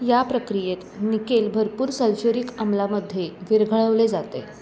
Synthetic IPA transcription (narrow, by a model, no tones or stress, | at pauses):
japɾəkɾijet̪nikelbʱəɾpuːɾsəlɕoɾikəmlaməd̪ʱjeʋiɾɡʱəɭəʋled͡zat̪ḛ